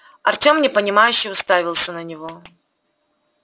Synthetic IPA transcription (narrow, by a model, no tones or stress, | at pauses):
ɐrtʲo̞mnʲɪpənʲɪmajʉɕːɪjʊst̪avʲɪlˠsʲənənʲɪvo